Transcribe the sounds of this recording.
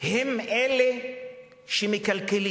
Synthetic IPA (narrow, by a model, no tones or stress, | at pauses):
hemele | ʃemekalkeli